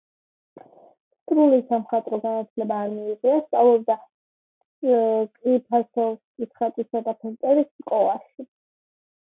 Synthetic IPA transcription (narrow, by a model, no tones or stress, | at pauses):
st̪ʼɾulisamχat̪ʼɾɔɡanat̪ʰlɛbaːɾmiːʁiast̪sʼavlˠɔbd̪a | kʼɾipʰasɔvskʼit̪sʰχat̪ʼisad̪apʰɛnt̪ʼɛɾisskʼɔlˠaʃi